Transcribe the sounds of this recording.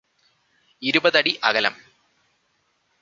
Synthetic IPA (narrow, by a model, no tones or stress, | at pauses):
iɾubɐðɐɽiʔɐ̰ɣɐlɐ̰m